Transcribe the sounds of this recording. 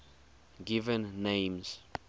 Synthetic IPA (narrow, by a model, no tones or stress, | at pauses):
ɡivɛ̃nːẽjmz̥